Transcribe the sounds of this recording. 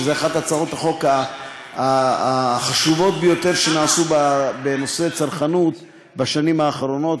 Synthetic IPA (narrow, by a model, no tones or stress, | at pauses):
zeaχat̪hat͡saʁot̪aχo̞ka | a | χaʃuvo̞t̪̚bejo̞t̪e̞ʁʃenaːsubabeno̞se̞t͡saʁχanut̪ | baʃanimaːχɾo̞no̞t